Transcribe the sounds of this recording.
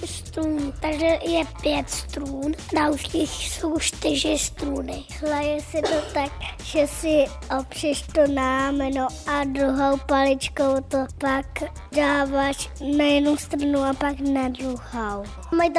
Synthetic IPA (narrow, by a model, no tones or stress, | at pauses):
st̪ɾuːnt̪aɡʒɛjɛpjɛt̪st̪ɾuːndalʃiːxsowʃt̪ɪʒɪst̪ɾuːnɪhlajɛsɪt̪ot̪ak̚ʒ̥ɛsɪ | ʔopr̥ɛʃt̪onaamɛnoʔad̪ɾuɦowpalɪt͡ʃkowt̪opak | daːvaʃnajɛdnust̪ɾanuapaknadɾuhow | majt̪